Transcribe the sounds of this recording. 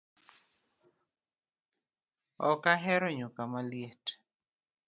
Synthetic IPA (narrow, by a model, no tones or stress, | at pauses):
ɔkaɦɛɾɔɲʊkamaljet